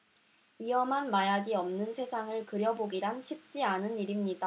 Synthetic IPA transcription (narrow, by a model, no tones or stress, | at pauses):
ɥiɦʌmɦanmajaɡiʌmnɯnsʰe̞sʰaŋɯɭkɯɾjʌboɡiɾanɕʰip̚t͡ɕ͈ianɯniɾimɲida